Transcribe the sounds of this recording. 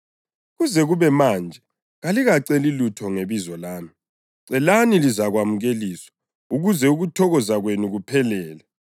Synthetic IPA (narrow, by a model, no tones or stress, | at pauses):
ɣuzɛɣuβɛmaːnd͡ʒʱɛ | ɣaliɣaǀelilutʰɔŋeβizɔlaːmi | ǀɛlanilizaɣwamuɣeliswḁ | uɣuzɛuɣutʰɔɣɔzaɣwenuɣupʰɛlɛːlɛ